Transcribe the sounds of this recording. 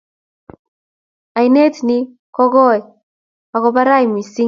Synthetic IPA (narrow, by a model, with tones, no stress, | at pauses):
a˨i˨ne˦tni˦ | kɔ˦ɡɔ˦˨j | a˨kɔ˨ba˦ɾa˦jmi˨si˦